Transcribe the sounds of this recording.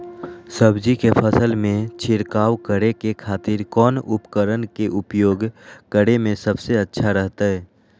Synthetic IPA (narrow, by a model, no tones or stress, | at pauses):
səbd͡ʒikepʰəsəlmẽt͡ʃʰɪɾkaːwkəɽekekʰaːt̪ɪɾkɔːnʊpkəɾənkeʔʊpjoːɡkəɽemẽsəbseətːʃʰaɾəɦt̪aɦɛː